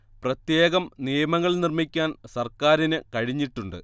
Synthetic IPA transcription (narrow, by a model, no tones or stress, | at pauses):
prɐt̪je̞ːɣɐmnijɐmɐŋːɐɭnirmikʲːaːnsɐrkaːɾinɨkɐɻiɲːiʈːuɳɖɨ̰